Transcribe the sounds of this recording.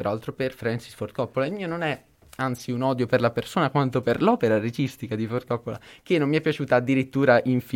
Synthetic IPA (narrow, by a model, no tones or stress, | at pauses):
eɾalt̪ɾoperfɾɛnsisfort̪kɔpːolaeilmiːononɛ | ant̪siunɔd̪joperlapersoːnakwant̪operlɔːpeɾaɾed͡ʒist̪ikad̪ifort̪kɔpːola̰kenːomːiɛpːjat͡ʃuːt̪aːd̪ːiɾit̪ːuːɾaʔiɱfi